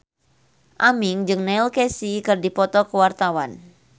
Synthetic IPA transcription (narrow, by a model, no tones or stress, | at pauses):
ʔamiŋd͡ʒɨŋnɛilkɛsikɨrdipɔt̪ɔkuwart̪awan